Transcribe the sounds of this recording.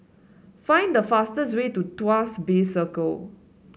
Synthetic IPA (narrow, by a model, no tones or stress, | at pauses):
fãɪ̃ndəfastəswetutuasbesəkəl